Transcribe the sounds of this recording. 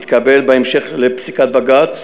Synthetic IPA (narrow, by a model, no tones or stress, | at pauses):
t̪kabelbeemʃeχlepsikat̪̚baɡat̪